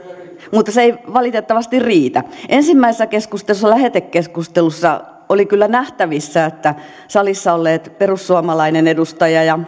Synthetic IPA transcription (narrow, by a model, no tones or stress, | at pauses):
mut̪ːɑseeiʋɑlit̪et̪ːɑʋɑst̪irriːt̪æʔensimːæisesːækeskust̪elusːɑlæhet̪ekːeskust̪elusːɑ̰ | olikylːænæht̪æʋisːæet̪ːæ | sɑlisːɑolːeːt̪perusːuɑmɑlɑinenedust̪ɑjɑjɑ